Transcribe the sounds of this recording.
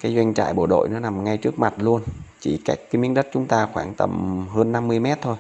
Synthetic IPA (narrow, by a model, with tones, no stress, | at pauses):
kaː˨˦jzwa˧jŋ̟t͡ɕa̰ː˧˨jɓo˧˩ɗo̰˧˨jnɔ˨˦na˨˩mŋa˧jt͡ɕɨ˦˥ək̚ma˨˩t̚lu˧ənt͡ɕi˧˩kaː˦˥k̚ːaː˨˦mi˨˦ənɗə˦˥t̚t͡ɕʊ˨˦ŋ͡mt̪aː˧xwaː˧˩ŋt̪ə̰˧˩mɦəː˧nːa˧mːɨ˧əjmɛ˦˥t̚t̪ʰo˧j